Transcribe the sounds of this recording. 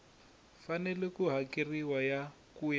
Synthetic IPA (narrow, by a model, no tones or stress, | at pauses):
fanɛlɛkuɦakiriwaja | kuja